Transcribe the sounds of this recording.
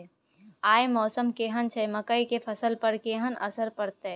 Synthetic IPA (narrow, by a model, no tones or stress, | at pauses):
aːjmɔːsəmkeːɦənt͡ʃʰemɐkəikepʰɐsəlpɐɾkeːɦənɐ̰səɾpɐɾt̪e